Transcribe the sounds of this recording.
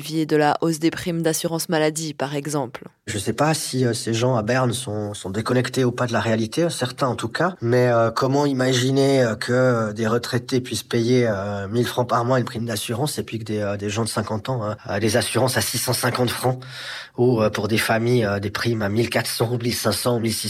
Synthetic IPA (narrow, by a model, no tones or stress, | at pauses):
vjed̪əlaʔosd̪epχimd̪asyʁɑ̃smalad̪ipaʁɛɡzɑ̃pl | ʒəsɛpasiøseʒɑ̃abɛʁnsɔ̃sɔ̃d̪ekɔnɛkt̪eupad̪əlaʁealit̪esɛʁt̪ɛ̃ɑ̃t̪ukamɛøkɔmɑ̃imaʒineøkʰəd̪eʁət̪χɛt̪epɥispejeømilfχɑ̃paʁmwɛ̃ɛnpχimd̪asyʁɑ̃sepɥikəd̪eød̪eʒɑ̃d̪əsɛ̃kɑ̃t̪ɑ̃øød̪ezasyʁɑ̃sasisɑ̃sɛ̃kɑ̃t̪fχɑ̃ | uøpuʁd̪efamijød̪epχimamilkat̪χsɑ̃umilsɛ̃sɑ̃umilsi